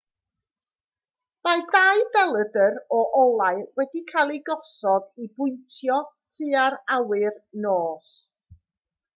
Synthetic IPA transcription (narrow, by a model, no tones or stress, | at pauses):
maɨdaːɨbɛlˠədəɾɔʔɔlˠaɨwɛdikʰalˠiɡɔsɔdibʊɨntʰjɔ | tʰɨːaɾawɨrnoːs